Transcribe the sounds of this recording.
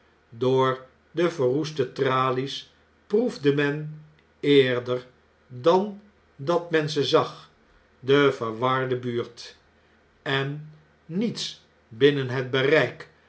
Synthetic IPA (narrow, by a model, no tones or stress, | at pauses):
doːɹ | dəvəɹɦustətraːlis | pruvdəmɛn | ɪːɹdəɹ | dɑn | dɑtmɛnzəzɑχ | dəvəɹʋɑɹdəbyːɹt | ɛnː | its | bɪnənɦəd̚bərɛjk